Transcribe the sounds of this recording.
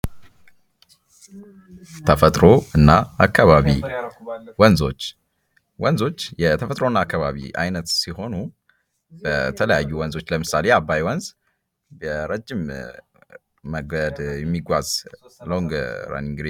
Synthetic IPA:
t̪ʰəfət̪ʼɾoɨnːaakʰːaβaβi | wənzo̞t͡ʃː | wənzo̞t͡ʃːjɛt̪ʰəfət̪ʼɾo̞ɨnːaːkːaβaβḭʔa̰jnət̪siho̞nu | b̥ət̪ʰələjajːuwənzo̞t͡ʃːləmɨsaleabːajwɔnz | bəɾəd͡ʒːɪm | məɡəd̪jɛmːiɡʷaz̥loŋɡə̰ɾa̰niŋɡɾi

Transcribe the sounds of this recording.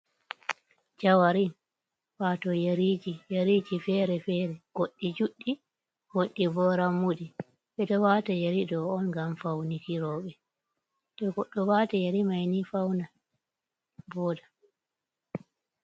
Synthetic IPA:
d͡ʒawaɾin | fatɔjaɾiːd͡ʒijaɾid͡ʒifɛːɾɛfɛɾɛɡ̥oɗːid͡ʒuɗːi | hoɗːibɔɾamːudi | ɓɛtɔwatajaɾidɔːnɡamfawnikiɾɔːɓɛ | dɛɡɔɗːɔwatajaɾimajnifawna | bɔda

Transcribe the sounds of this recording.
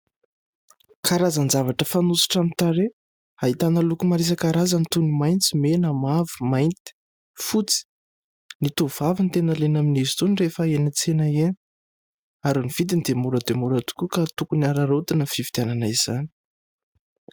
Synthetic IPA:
kʰaɾazənzavaʈ͡ʂəfanusi̥ʈ͡ʂamit̪aɾe | ait̪anəlukumaɾes̬akaɾazənit̪unimajnt͡simenəmavi̥majnt̪i̥ | fut͡si̥ | nit̪uvavint̪enəlenaminizi̥t̪unirefəenət͡senəen | aɾuniv̥id̪ind̪emuɾəd̪emuɾat̪u̥kʲukat̪ukuniaɾaɾot̪inəfivi̥d̪iananaiz̥ani̥

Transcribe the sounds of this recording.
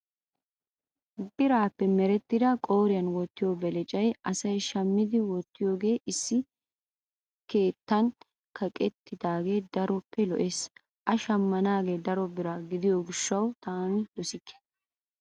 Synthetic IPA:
bɪɾaːpːɛmɛɾɛt̪ːɪd̪ɐkʼo̞ːɾɪjɐnwɔt̪ːɪjoːbɛlɛt͡ʃʼɐjʔɐsɐjʃɐmːɪd̪ɪwɔt̪ːɪjoːɡe̞ːʔɪsːɪ | ke̞ːt̪ːɐn | kɐkʼɛt̪ːɪd̪aːɡe̞ːd̪ɐɾɔpːɛlɔʔeːs | ʔɐʃɐmːɐnaːɡe̞ːd̪ɐɾɔbɪɾɐɡɪd̪ɪjoɡɪʃːɐwt̪aːnɪd̪ɔsɪkːɛ̥

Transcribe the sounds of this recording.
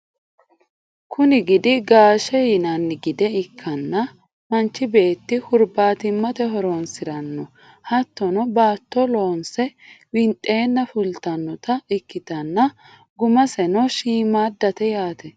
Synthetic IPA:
kʰʊnɪɡɪd̪ɪɡaːʃɛjɪnɐnːɪɡɪd̪ɛɪkʰːɐnːɐ | mɐnt͡ʃːɪbe̞ːt̪ːɪhʊɾbaːt̪ɪmːɐt̪ɛɦɔɾɔnsɪɾɐnːɔ | hɐt̪ːɔnɔbaːt̪ːɔlo̞ːnsɛwɪnt̪ʼe̞ːnːɐfʊlt̪ɐnːɔt̪ɐɪkːɪt̪ɐnːɐ | ɡʊmɐsɛnɔʃiːmaːd̪ːɐt̪ɛjaːt̪ɛ

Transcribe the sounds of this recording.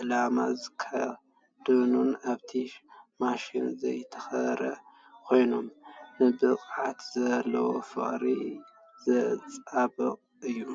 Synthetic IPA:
ʔɨlama̰zɨkʰa | d̪̥ɨnunaβt̪ʰimaʃinzɐjt̪ʰɐ̥xɐɾɐ̰ | kʰo̞jno̞mnɨbɨqʼʕat̪zɐlːɐwofɨ̰χʼɾi | zɐt͡sʼabɨqʼ | ɨjːu

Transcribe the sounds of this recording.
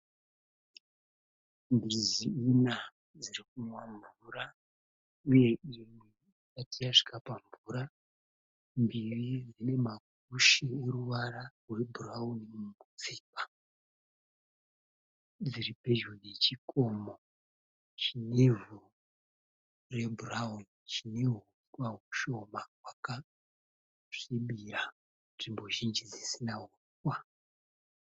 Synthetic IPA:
mbiɾiziina | ziɾik̚umwaɱvuɾa | uje̞imwe | ikatijaʂi̥kapaɱvuɾa | mbiβid͡zine̞mak̚ | uʃieɾuʋaɾarwe̞buraunimumumut͡siːpa | d͡ziɾipe̞ʒunet͡ʃikʰomo | t͡ʃinevu | re̞bʱuraunit͡ʃineɦu | kwaɦuʃo̞mawaka | ʂiɓiɾa | nʐimbo̞ʒind͡ʒid͡zisinaɦu | kwa

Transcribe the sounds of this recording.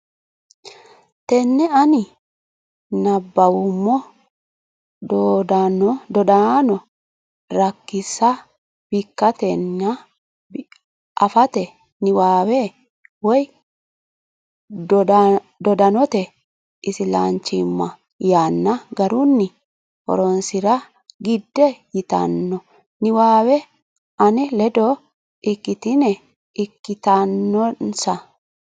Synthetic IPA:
t̪ɛnːɛɐnɪ | nɐbːɐwʊmːɔ | d̪od̪ɐnɔd̪ɔd̪anɔ | ɾɐkːɪsːɐ | b̥ɪkːɐt̪ɛnːɐ | b | ʔɐfɐt̪ɛ | nɪwaːweː | wɔj | d̪ɔd̪ɐnɔt̪ɛ | ʔɪsɪla̰ːnt͡ʃːɪmːɐ | jaːnːɐɡɐɾʊnːɪ | hɔ̰ɾɔnsɪɾɐ | ɡɪd̪ːɛjɪt̪ɐ̰nːɔ | nɪwaːwɛ | ʔɐnɛlɛd̪ɔ | ɪkːɪt̪ɪnɛ | ɪkːɪt̪anːɔnsɐ

